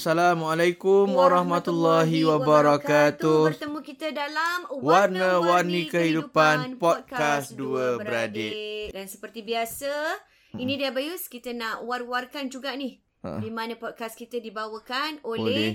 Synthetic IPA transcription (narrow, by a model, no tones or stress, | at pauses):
salamalajkumwaɾɑhmat̪ulːaɦiwabaɾakat̪ut̪əmũkit̪ədalamwarnəwarnĩkəɦidupannpɔkasduəbbəɾadɪʔdansəpərt̪ibiasə | inĩdiəbajuskit̪ənaʔwarwarkand͡ʒuɡaʔnih | dimãnə̃pɔd̚kaskit̪ədibawəkanololee